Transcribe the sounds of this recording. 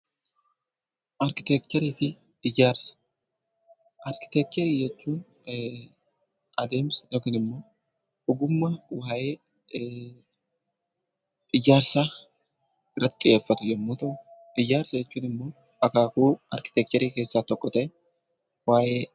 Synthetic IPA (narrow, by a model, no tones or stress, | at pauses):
ʔɐɾkɪt̪ɛk̚t̪ɔɾiːfɪ | ɪjːaːɾsɐ̥ | ʔɐɾkɪ̥t̪ɛk̚t͡ʃ̪ɛɾiːd͡ʒɛt͡ʃːuːn | ʔɐd̪eːmsnɔkɪnɪmːo̞ː | ʊɡʊmːɐwaːjeː | ɪjːaːɾsaː | ɪrːɐt̪ːɪ̥t̪ʼɪjʔeːfːɐt̪ʊd͡ʒɛmːuːt̪ɐʊ | ʔɪjːaːɾsɐd͡ʒɛt͡ʃːuːnɪmːo̞ː | ɐkaːkuːɐ̰ɾkɪt̪ɛk̚t̪ɛɾiːke̞ːsːaːt̪ɔkʼːɔt̪ɐɛ | waːjeː